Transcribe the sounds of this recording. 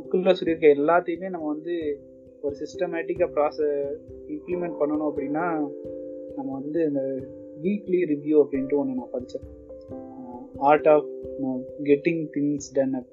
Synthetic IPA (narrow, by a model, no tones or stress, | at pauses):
ɐkːɯllɐsɔlːɪɾɯkːɐɛlːaːt̪ːɐjɯ̃meːnɐmːɐʋɐnd̪ɯ | ɔɾɯsɪsʈɐmaːʈɪkːɐpɾaːsɛɪmplimɛ̃ɳʈ̚pɐɳːɐnʊ̃ɐp̬ːɐɽɪnːaː | nɐmːɐʋɐnd̪ɯɐnd̪ɐ | ʋiːkliɾɪʋjuːɐpːɐɽɪnʈːɯɔnːɯnãːpɐɾɯt͡ʃːɐ̃ | aːɾʈaːf | ɡɛʈːɪ̃ŋt̪ɪŋsɖɐnɐ